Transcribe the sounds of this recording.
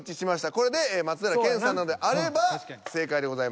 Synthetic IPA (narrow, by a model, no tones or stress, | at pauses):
t͡ɕiɕimaɕi̥t̪ako̞ɾe̞d̪emat͡sɨd̪aɾakẽ̞ɰ̃sãnːano̞d̪eʔaɾe̞base̞ːkaid̪e̞ɡo̞zaim